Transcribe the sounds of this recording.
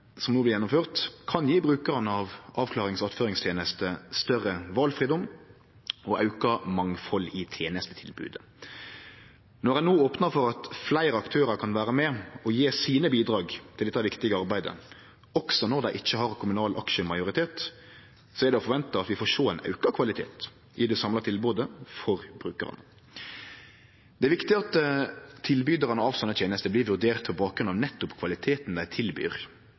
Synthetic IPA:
sɔmnuːblɪʁjɛnːʊmføːʁt̪kʰɑnjiːbʁʉːkəʁənɑʋʔɑːʋkʰlɑːʁɪŋsɑt̪føːʁɾɪŋst̪ʰjeːnəst̪əst̪œrəʋɑlfʁiːd̪ɔm | ɔʔɑʉkɑmɑŋfɔlːɪt̪ʰjeːnəst̪ət̪ʰɪlbʉ̰ːd̪ə | nɔʁæɪnoːoːpnəɾfɔɾɑt̪flæɪɾəɑkt̪ʰøːɾəɾkʰɑnʋæːɾəmɛɔjeːsiːnəbiːd̪ɾɑːɡt̪ʰɪlɛt̪ːɑʋɪkt̪ɪɡəɑɾbæɪd̪ə̰ | ɔksɔnɔɾd̪æɪʔɪçːəhɑɾkʰʊmʉnɑːlʔɑ̰kʃəmɑɪjʊɾɪt̪ʰeːt̪ | sɔɛɾd̪ɛɔfɔɾʋɛnt̪əɑt̪ʋɪfoːɾʂoːæɪnʔɑ̰ʉkɑkʰʋɑlɪt̪ʰḛːt̪ | ʔɪd̪ɛsɑmlɑt̪ʰɪlboːd̪əfɔʁbɾʉːkə̰ɾɑ̰nə | d̪̥ɛæʋɪkt̪ɪɑt̪ʰː | ɪlbyd̪əʁɑnəɑʋsɔnːət̪jeːnəst̪əbliːʋʉɾd̪eːʁt̪pʰɔbɑːk̚ɡɾʉnɑʋnɛt̪ːʊpkʰʋɑlɪt̪ʰeːt̪n̩d̪æɪt̪ʰɪlby̰ːʁ

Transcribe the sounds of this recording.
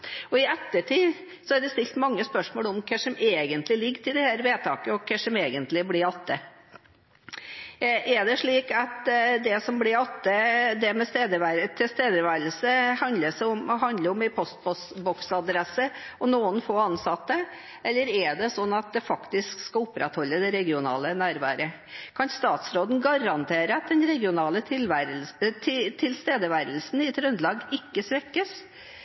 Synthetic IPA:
ɔɪɛt̪ːəʈʰiː | sɔæɾd̪ɛst̪ɪlt̪mɑŋːəspœʂmoːlɔmkʰɛʂɔmeːɡənt̪lɪlɪɡːt̪ʰɪd̪ɛhæːɾʋeːt̪ʰɑːkəɔkʰɛʂɔmeːɡənt̪lɪblɪɾɑt̪ʰːə | ʔɛɖɛʂɭiːkɑt̪d̪ɛsɔmblɪɾɑt̪ːəd̪ɛmɛst̪eːd̪əʋæɾt̪ʰɪst̪eːd̪əɾʋæːɾəlsəhɑnd̪əsɔɔmhɑnd̪ləɾɔmɪpʰɔst̪̚bɔsbɔksɑd̪ɾɛsəɔnuːənfoːɑnsɑt̪ːə | ʔɛlːəɾɛɖ̪ɛsɔnːɑt̪̚d̪ɛfɑkt̪ɪskskɑʊpːɾʔɛ̰t̪hɔlːəd̪ɛɾɛɡɪʊnɑ̰ːlənæːɾʋɑ̰ːɾə | kʰɑnst̪ɑːt̪sɾoːd̪n̩ɡɑɾɑnt̪ʰeːɾəɑt̪̚d̪ɛnɾɛɡɪʊnɑːlətʰɪlʋæt̪ʰɪt̪ʰɪlst̪eːd̪əʋæːɾəlsn̩ɪɛt̪ɾʉnd̪lɑːɡɪkːəsʋɛkːəs

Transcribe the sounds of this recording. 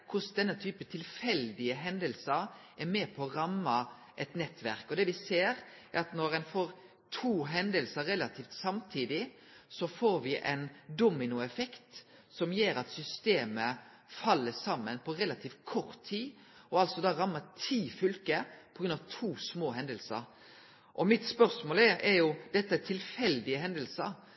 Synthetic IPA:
kʰʊsd̪ɛnːət̪ʰyːpət̪ʰɪlfɛld̪ɪəɦɛnd̪əlsəɾʔɛɾmɛːpʰɔːɾɑmːɑ | ʔɛt̪nɛt̪ʋæɾkɔd̪ɛʋɪseːɾɛɾɑt̪nɔɾɛnfoːɾ | t̪ʰuːɦɛnd̪əlsəɾɾɛlɑt̪ʰiːft̪sɑmt̪ʰiːd̪ɪ | sɔfoːɾʋɪʔɛ̰nd̪umːɪnʊɛfɛkt̪sɔmjeːɾɑt̪sʏst̪eːmə | fɑlːəsɑmːənpʰɔɾɛlɑt̪ʰiːft̪kʰɔɾt̪ʰːiː | ɔɑlt̪sɔd̪ɑːɾɑmːət̪ʰiːfʏlkəpʰɔɡɾʉnɑʋt̪ʰuːsmoːɦɛnd̪əlsə̰ɾ | ʔɔmɪt̪spœʁsmoːlɛɛɾjʊd̪ɛt̪ːəɛt̪ʰɪlfɛld̪ɪəɦɛnd̪əlsəɾ

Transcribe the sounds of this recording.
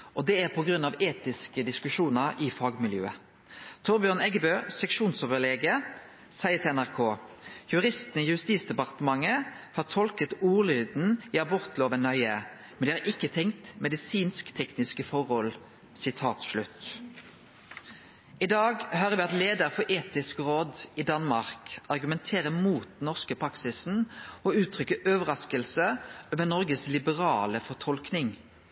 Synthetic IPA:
ʔɔd̪ɛæʁpʰɔɡɾʉnːɑʋeːt̪ɪskəd̪ɪskʉʃuːnəʁɪfɑːɡmɪljø̰ːə | t̪ʰɔʁbjøːʁnɛɡəbøːsɛkʃuːnsɔʋəleːɡə | sæɪət̪ʰɪɛnæʁkʰoːjʉɾɪst̪nəiːjʉst̪iːt̪sd̪ɛpɑʁt̪əmɑŋːəhɑːʁt̪ʰɔlkət̪uːʁlyːd̪n̩iːɑbɔʁt̪loːʋənœʏə | mɛnd̪ɛːhɑɾʔɪkːət̪ʰɛŋkt̪mɛd̪ɪsiːnskt̪ʰɛknɪskəfɔʁhɔl | sɪt̪ʰɑːt̪ʃlʉt̪ | ɪd̪ɑːɡhøːʁəʋɪɑt̪leːd̪əɾfɔʔeːt̪ɪskʁoːd̪id̪ɑnmɑʁkɑʁɡʉmɛnt̪ʰeːʁəmuːt̪̚d̪ɛnɔʁskəpʰɾʁɑksɪsn̩ɔʉːt̪ʰʁʏkːəʔøːʋəʁɑskəlsəoːʋənɔʁɡəslɪbəʁɑːləfɔʈ̪ʰɔlknɪŋ

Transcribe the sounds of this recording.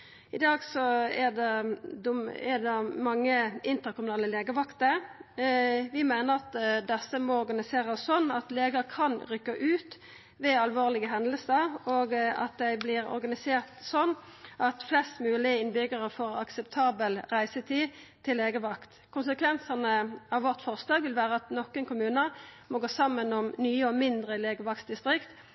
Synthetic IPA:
ɪd̪ɑːɡsɔɛd̪ɛd̪ʊɛ̰d̪ɛmɑŋːəɪnt̪əɾkʰʊmʉnɑːləleːɡəʋɑkt̪ə | ʋɪmæɪnəʁɑt̪d̪ɛsəmɔɔɾɡɑnɪseːʁəssɔnːɑt̪leːɡəkʰɑnʁʏkːəʔʉːt̪ | ʋɛɑlʋoːʁlɪɡəɦɛnd̪əlsəɾoːɡɑ̰t̪̚d̪æɪblɪʁɔ̰ɾɡɑnɪseːʁt̪sɔnːʔɑt̪flɛst̪mʉːlɪəɪnbʏɡəʁəfɔːʁɑ̰ksəpt̪ʰɑːbəlʁæɪsət̪ʰiːt̪ʰɪlːeːɡəʋɑkt̪ | kʰʊnsəkʰʋɛnsəʁnəɑʋʋɔʁt̪fɔʁslɑːɡʋɪlʋæːʁəɑt̪nɔkːənkʰʊmʉːnəmɔɡoːsɑmːənɔmnyːəɔmɪnd̪ʁəleːɡəʋɑksd̪ɪst̪ʁɪkt̪

